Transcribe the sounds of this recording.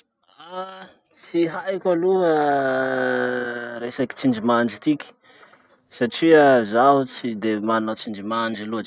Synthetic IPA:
a | t͡siɦajkʲaluə | ɾesaki̥t͡siɳd͡ʒimaɳd͡ʒit̪ikʲi̥ | saʈ͡ʂiazaɦut͡sid̪emanat͡sind͡ʒimand͡ʒiluaʈ͡ʂ

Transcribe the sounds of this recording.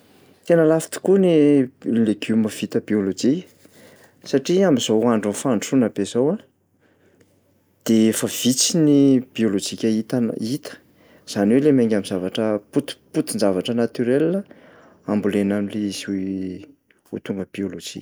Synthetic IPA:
t̪enəlafi̥t̪i̥kuneleɡuməv̥it̪əbiolod͡ʒiə̥ | saʈ͡ʂiamizowuaɳɖ͡ʐunfaɳʈ͡ʂunabezowa | d̪̥eefəv̥it͡sinib̥iolod͡ʒikʲəit̪it̪ə̥ | z̥aniwelemeŋɡʲaminzavaʈ͡ʂəput̪put̪ind͡zavaʈ͡ʂənat̪yɾelːə | ambulenamileizi | ut̪uŋɡəb̥iolod͡ʒḭ

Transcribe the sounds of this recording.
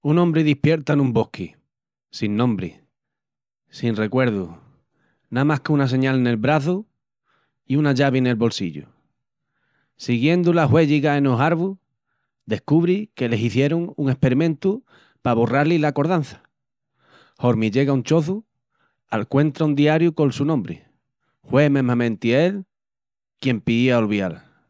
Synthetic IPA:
unõ̞mbɾiðihpje̞ɾt̪anũmbo̞hki | sinːõ̞mbɾi | sinre̞kwe̞ɾðu | namahkeunase̞ɲalne̞lβɾaθu | iunaʝaβene̞lβo̞lsiʎṵ | siɣje̞nd̪ulaɦwe̞ʝiɣaenoɦaɾβu | d̪e̞hkuβɾike̞le̞siθje̞ɾoŋuŋe̞hpe̞ɾimẽnt̪u | paβoraɾlilako̞ɾðan̟θḁ | ho̞ɾmiʝeɣauɲt͡ʃo̞θu | alkwe̞nt̪ɾaund̪iaɾjuko̞nsunõmbɾi | hwe̞memãmẽnt̪iel | kje̞mpiðiaolβjal

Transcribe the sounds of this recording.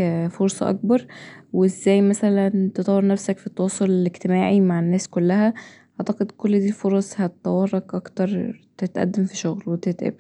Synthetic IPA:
foɾˤsˤɑ̰ʔɑ̰k̚bɑɾˤweezːæːjmæsælænt̪et̪ˤɑwːɑɾˤnæfsækfit̪ːɑwɑːsˤoleleɡt̪emæːʕimaʕenːæːskolːæhæ | ʔɑʕt̪æqed̪kolːd̪iːlfoɾˤɑsˤhæt̪t̪æwɑrˤːɑkʔɑkt̪ɑɾˤt̪et̪ʔæ̰d̪ːemfiʃoɣlwet̪et̪ʔḛb

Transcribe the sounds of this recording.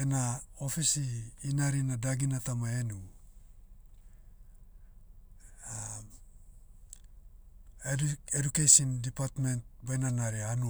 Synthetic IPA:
enao̞fisiːnaɾinadaɡinatamae̞nu | a | edukejsindipatme̞nt̚bajnanaɾianu

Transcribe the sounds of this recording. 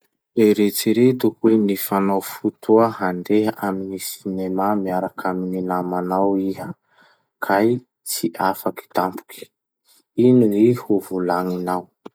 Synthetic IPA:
eɾet͡siɾet̪ukwenifanawfut̪ʰuəɦaɳdeɦəʔaminisinemamiaɾakʰamininamanawiɦə | kʰaj | t͡siʔafaki̥t̪ampu̥kʰʲi̥ | iniihuvulaŋinaw

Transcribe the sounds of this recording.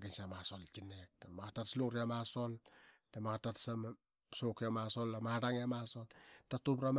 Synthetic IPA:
ɡansamasolkinek̚tamaɡatatsluŋɾiamaso̞ltamaɡatatsam | sokiamasolːamaɾaŋiamasoltatumɾam

